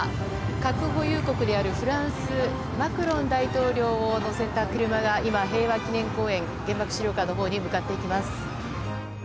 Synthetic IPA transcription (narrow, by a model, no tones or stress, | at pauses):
kakɯ̟ɦo̞jɯːko̞kɯ̟d̪e̞aɾɯ̟ɸɯ̟ɾãɰ̃sɨ | makɯ̟ɾõ̞nd̪ait̪o̞ːɾʲo̞ːono̞se̞t̪akɯ̟ɾɯ̟maɡaʔimaɦe̞ːβakʲinẽ̞ŋko̞ːẽ̞ŋɡẽ̞mbakɯ̟̥ɕiɾʲo̞ːkanːo̞ɦo̞ːɲ̟imɯ̟kat̪ːe̞ikʲimasɨ̥